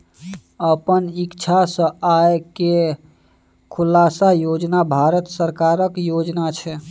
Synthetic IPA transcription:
əpənikt͡ʃʰasə̃aeke | kʰulasajod͡ʒnabʱaɾət̪səɾkaɾəkjod͡ʒnat͡ʃʰɛ

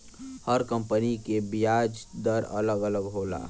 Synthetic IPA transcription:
həɾkə̃mpənikebijaːd͡ʒd̪əɾə̰ləɡələɡɦoːla̰ː

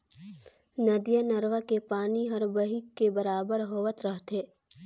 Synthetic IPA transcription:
nəd̪ijənəɾʋəkepaːniɦɐɾbəɦikːebɐɾaːbəɾɦoːʋət̪ɾəɦt̪eː

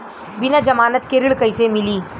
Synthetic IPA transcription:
binad͡ʒɐmaːnət̪keɾiɭkɐjsemiliː

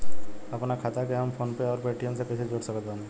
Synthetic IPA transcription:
ɐpnakʰaːt̪akeɦɐmfoːnpeɔːɾbɛːʈʰijõsekɛsed͡ʒoːɽsɐkət̪an

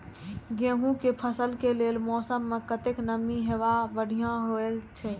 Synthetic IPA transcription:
ɡẽɦũkepʰəsəlkelelmɔːsəmːekət̪eknəmːiɦeʋabəɽ̤ʱijãɦoelt͡ʃʰɛ

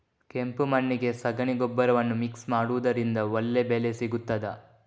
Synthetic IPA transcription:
kempumɐɳːiɡe̞sɐɡɐɳiɡobːɐɾɐʋɐnːumiksmaːɽuʋud̪ɐɾind̪ɐolːe̞bele̞siɡut̪ːɐd̪ɐ̰

